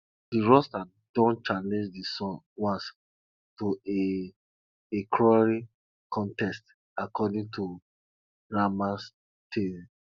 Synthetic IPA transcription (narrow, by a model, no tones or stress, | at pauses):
diɹɔsta | d̥ɔ̃nt͡ʃanẽd͡ʒdisɔ̃n | wãns | toe | ekʰɹɔɹi | kʰɔ̃ntɛst | akɔdĩŋtʰu | ɹamas | tʰe